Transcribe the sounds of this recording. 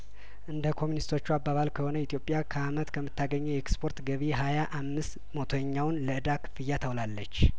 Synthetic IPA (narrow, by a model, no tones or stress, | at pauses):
ʔɨnd̪əkʰo̞mjunist̪ʰo̞t͡ʃːuabaβalkʰəho̞nəit̪ʰjo̞pʼːjakʰəamət̪kʰəmːɨt̪ʰːaɡəɲːujɛɛkspʰo̞ɾt̪ɡəβiɦajaʔamːɨst̪ | mo̞t̪ʰoɲːawnləʔɨd̪akʰɨ̥fɨjːat̪ʰəwlalːət͡ʃː